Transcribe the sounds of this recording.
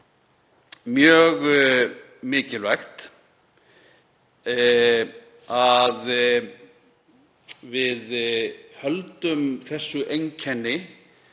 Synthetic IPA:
mjœːɣ | mɪːcɪlvaxt̪ | að | vɪðhœlt̪ʏmθɛsːʏʔejɲcʰɛnːɪ

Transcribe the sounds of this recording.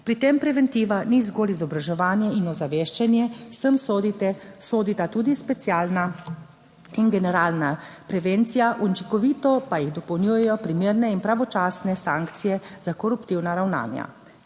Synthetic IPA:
pɾit̪empɾɛʋɛnt̪iːʋanizɡoːlizɔbɾaʒɛʋaːnjɛinɔzaʋeːʃt͡ʃɛnjɛsəm | soːd̪it̪at̪uːd̪ispɛsjaːlna | inɡɛnɛɾaːlnapɾɛʋent̪sijaʔunt͡ʃikɔʋiːt̪ɔpajiɣd̪ɔpɐwnʲjuːjɛjɔpɾimeːɾnɛinpɾaʋɔt͡ʃaːsnɛsãːŋkt̪sijɛz̥akɔɾupt̪iwnaɾawna̰ːnja̰

